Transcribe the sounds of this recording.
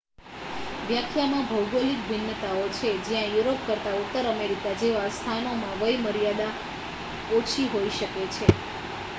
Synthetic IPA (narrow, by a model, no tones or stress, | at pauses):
ʋjakʰjamãbʱəwɡolik̚bʱɪnːət̪aot͡ʃʰed͡ʒijãjuɾopkəɾt̪aut̪ːəɾəmeɾikad͡ʒeʋast̪ʰanomãʋəjməɾjad̪a | ot͡ʃʰiɦoiʃəket͡ʃʰe